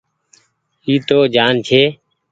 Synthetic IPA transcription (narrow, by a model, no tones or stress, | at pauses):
iːt̪oːd͡ʒaːnt͡ʃʰeː